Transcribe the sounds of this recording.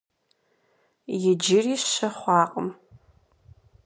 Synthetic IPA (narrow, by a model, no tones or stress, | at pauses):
jɪd͡ʒɪriːʃɐχʷɑːqʼə̰m